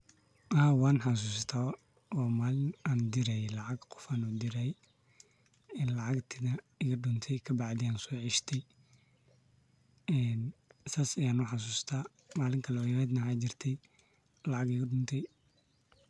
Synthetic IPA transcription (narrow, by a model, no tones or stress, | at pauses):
ʔɐɦaːwɑːnħɑs̬uːst̪ʰaː | ɔːmaːlɪnaːnd̪ɪɾɛjɛlɑʕɑɡqɔ̥faːnʊd̪ɪɾɐjɛ | ɪnlɑʕɑɡt̪ʰɪðɐ | ɪɣɐɖʊnt̪ʰɛjkʰɐbɑʕd̪ɪjaːnsɔːʕɪʃt̪ʰɛj | ɛːnsaːsɐjaːnʊħɑs̬uːst̪ʰaː | maːlɪŋkʰɐlɔːjɐɾɛːd̪nɐhaːd͡ʒɪrt̪ʰɛj | lɑʕɑɡɪɣɐɖʊnt̪ʰɛj